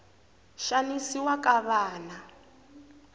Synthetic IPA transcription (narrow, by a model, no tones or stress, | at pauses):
ʃanisiwakʼaβaːna